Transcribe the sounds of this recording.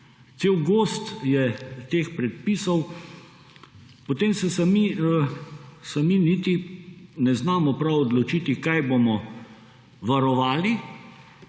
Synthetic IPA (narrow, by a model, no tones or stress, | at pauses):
t̪seːwɡoːst̪jɛt̪eːxpɾɛt̪̚pisɔw | pɔt̪eːmsɛsami | saminit̪inɛznaːmɔpɾawɔd̪lɔt͡ʃit̪ikajbomɔ | ʋaɾɔʋaːli